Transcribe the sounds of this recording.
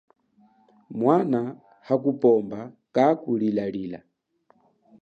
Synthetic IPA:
mwana | hakupɔmba | kakuɺilaɺiːla̰

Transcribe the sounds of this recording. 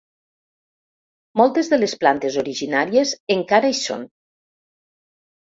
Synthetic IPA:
mɔlˠt̪ezðelesplant̪ezoɾiʒinaɾiezeŋkaɾaiso̰n

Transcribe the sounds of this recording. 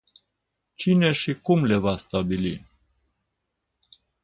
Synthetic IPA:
t͡ʃine̞ʃikumle̞vast̪abili

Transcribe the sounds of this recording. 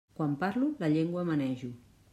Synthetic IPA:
kwampaɾluləʎeŋɡwəmənɛʒu

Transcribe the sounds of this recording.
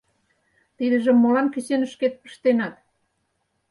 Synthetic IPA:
t̪id̪ə̆ʒĕmːolɑnkə̆t͡ɕenə̆ʃket̪̚pə̥̆ʃt̪enɑt̪̚

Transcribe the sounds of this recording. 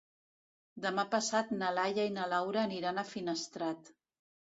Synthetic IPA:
d̪əmapəsat̪nəlajainəlawɾəːniɾanəfinəst̪ɾat̪

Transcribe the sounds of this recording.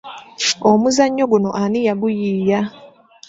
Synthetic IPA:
omuzaɲːo̞ɡunoʔanijaɡujiːja

